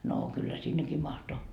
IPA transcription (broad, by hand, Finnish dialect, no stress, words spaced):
noː kylːæ sinːeki mɑhto